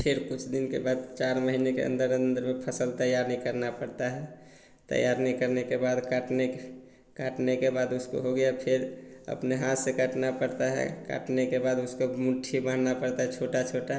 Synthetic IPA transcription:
pʰɪɾkʊt͡ʃʰd̪ɪnkebad̪̚t͡ʃaɾməɦinekḛʔə̰nd̪əɾə̃nd̪əɾmepʰəsəlt̪əjaɾnəɦĩkəɾnapəɽt̪aɦɛ | t̪ə̰jaɾnəikəɾnekebad̪kaʈne | kaʈnekebaːd̪ʊsko̰ɦoɡəjapʰɪɾə̰pneɦãt̪sekəʈnapəɽt̪aɦɛ̰ka̰ʈnekebaːd̪ʊskomʊʈʰibãnnapəɽt̪aɦɛt͡ʃʰoːʈat͡ʃʰoːʈa

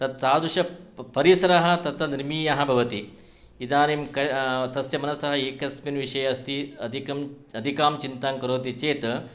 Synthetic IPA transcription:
t̪ɐt̪̚saːd̪ɾuʂɐpɐɾisɐɾɐɦɐ̆t̪ɐt̪ʰɐniɾmiːjɐɦɐ̆bʱɐʋɐt̪i | id̪aːniːmkɐt̪ɐsjɐmɐnɐsɐɦɐeːkɐsminʋiʂɐjɐɐst̪iɐd̪ʱikɐm | ɐd̪ʱikaːmt͡ʃint̪aːŋkɐɾoːt̪it͡ʃeːt̪

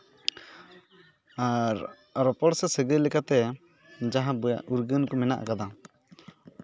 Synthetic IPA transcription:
aɾ | ɾɔpɔɽsɛsəɡəlɛkat̪ɛ | d͡ʒaɦãbɔja̰ʔuɾɡənkɔmɛna̰ʔkad̪a

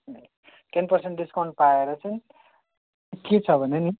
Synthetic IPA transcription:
n | ʈenpʌrseɳʈɖiskaw̃ɳʈ̚paeɾʌt͡sʌj̃ | ket͡sʰʌbʱʌneni

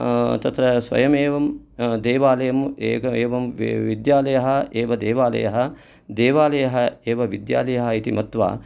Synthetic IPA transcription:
t̪ɐt̪ɾɐsʋɐ̰jɐmeːʋɐm | d̪eːʋaːlɐjɐmueːkɐeːʋɐmʋid̪jaːlɐjɐɦɐʔeːʋɐd̪eːʋaːlɐ̰jɐɦɐ | d̪eːʋaːlɐjɐɦɐeːʋɐʋid̪ja̰ːlɐjɐɦɐit̪imɐt̪ʋa̰ː

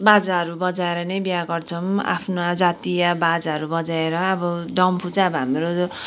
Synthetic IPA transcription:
bad͡zaɦʌɾubʌd͡zaeɾʌnʌjbjaɡʌrt͡sʰʌma̰pʰnad͡zat̪ijabad͡zaɦʌɾubʌd͡zaeɾʌːbʌd̪ʌmpʰut͡saʌbʌɦamɾo

